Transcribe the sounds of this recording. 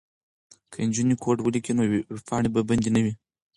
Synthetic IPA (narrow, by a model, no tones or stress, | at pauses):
kʰand͡ʒunikʰoʈwəlikʲinofaɳibəbɐnd̪inɐwi